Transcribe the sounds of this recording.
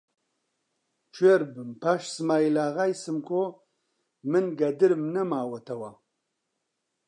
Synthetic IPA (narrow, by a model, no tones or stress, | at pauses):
t͡ʃʰweɾbɨmpʰaʃsmaːjlaːɣajsɨmkʰo | mɨnɡɐd̪ɨɾmnɐmaːwɐt̪ʰɐwa